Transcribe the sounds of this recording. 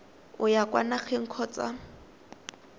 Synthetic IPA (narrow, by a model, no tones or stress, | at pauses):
ʊjakwa̰nak͡xʰeŋ̩kʰɔːt͡sʼa̰